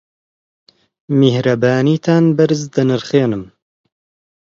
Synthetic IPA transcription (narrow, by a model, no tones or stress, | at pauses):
mehɾɐbaːniːt̪ʰaːnbɐɾɨzd̪ɨnɨɾχeːnɨm